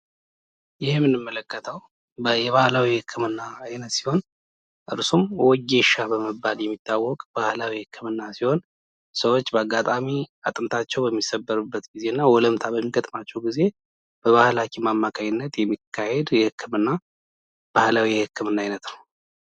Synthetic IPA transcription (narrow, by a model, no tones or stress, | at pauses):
jɪhmːɨnːɨmːələkːət̪ʰəw | bəjɛβahlawihɨkʰːɨmɨnːaːjnət̪si̥ho̞n | ʔɨ̰ɾsumwɔɡe̞ʃabəməbːaljɛmːit̪ʰːawːɔkʼb̥ahlawihɨkʰːɨmɨnːasiho̞n | səwot͡ʃːbəaɡat̪ʼamiat̪ʼɨmt̪ʰat͡ʃːɛwbəmːisəbːəɾubːət̪ɡize̞ɨnːawɔləmt̪ʰabəmːiɡət̪ʼmat͡ʃːɛwɡize̞ | b̥əβahlakʰʼimamːakʰaɲɪnːət̪jɛmːikʰːahe̞d̪jɛhɨkːɨmɨnːa | b̥ahlawihɨkːɨmɨnːaːjnət̪nəw